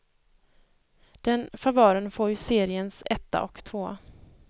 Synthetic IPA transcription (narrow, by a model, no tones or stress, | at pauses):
d̪̥ɛnfavœːɾənfoːjseːɾɪənsɛt̪ːa̰ʔɔkt̪ʰvoː